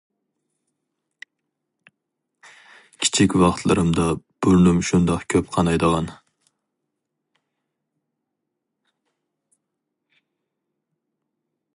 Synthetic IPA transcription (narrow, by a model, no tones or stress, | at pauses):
kʲʰi̥t͡ʃʰikʲvɑχt̪ʰlˠɪɾɪmd̪ɑb̥ʊɾnʊmʃund̪ɑqkʲʰøpqʰɑnɑjd̪əʁɑn